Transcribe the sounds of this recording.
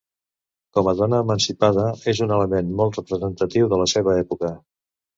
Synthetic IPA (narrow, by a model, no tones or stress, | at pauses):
kɔməðɔnəːmənsipaðəezunələmenmɔlˠt̪rəpɾəzənt̪ət̪iwðələseβəɛpukə